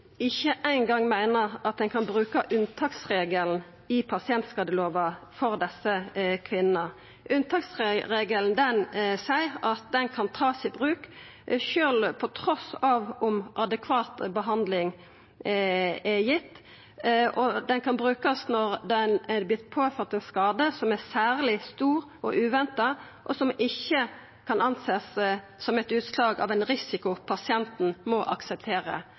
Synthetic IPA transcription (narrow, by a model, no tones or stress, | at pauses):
ɪçːəʔæɪnɡɑŋmæɪnəʁɑt̪̚d̪ɛnkʰɑnbʁʉːkəʔʉnt̪ʰɑːksʁeːɡəln̩ | ɪpʰɑsɪɛnt̪skɑd̪əloːʋɑfɔʁd̪ɛsəkʰʋɪnə | ʔʉnt̪ʰɑkseʁeːɡəln̩d̪ɛnsæɪɑt̪̚d̪ɛnkʰɑnt̪ʰɑːsɪbʁʉːk | ʃøːlpʰɔt̪ʰʁɔsɑːʋʊmʔɑd̪ɛkʰʋɑːt̪bəɦɑnd̪lɪŋ | ɛjɪt̪ː | ʔɔd̪ɛnkʰɑnbʁʉːkɑsnɔʁd̪ɛnɛblɪt̪pʰoːføːt̪ɛnskɑːd̪əsɔmæsæːʁlɪst̪uːɾ | ʔɔʔʉːʋɛnt̪ɑ | ʔɔsɔmɪçːə | kʰɑnɑnseːs | sɔmɛt̪ʉːt̪slɑːɡɑ̰ʋɛnɾɪsɪkʊpʰɑsɪɛnt̪n̩mɔʔɑksɛp̚t̪ʰeːɾə̰